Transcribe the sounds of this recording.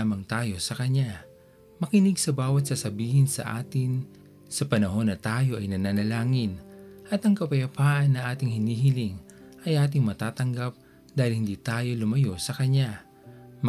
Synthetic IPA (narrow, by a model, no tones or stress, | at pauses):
amɐŋt̪aːjo̞sɐkɐɲa | mɐkɪnɪɡsɐbaːwɐt̪̚sɐsɐbiːhɪnsɐ̰ʔa̰ːt̪ɪn | sɐpɐnɐho̞nːɐt̪aːjo̞ʔɐjnɐnanɐlaːŋɪnʔɐt̪ɐŋkɐpɐjɐpaːʔɐnːɐʔaːt̪ɪŋhɪniːɦɪlɪŋ | ʔɐjʔaːt̪̬ɪŋmɐt̪aːt̪ɐŋɡap̚ | d̪aːhɪlhɪnd̪iːt̪aːjo̞lʊmɐjo̞sɐkɐɲa | m